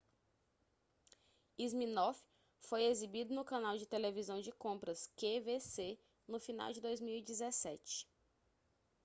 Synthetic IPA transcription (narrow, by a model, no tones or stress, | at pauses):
izmĩnɔf | fojezibid̪ʊnʊkɐ̃nawd͡ʒɪt̪elevizɐ̃w̃d͡ʒɪkõpɾɐskevese | nʊfina̰wd͡ʒɪd̪ojzmiwid͡ʒizɛsɛ̰t͡ʃɪ̥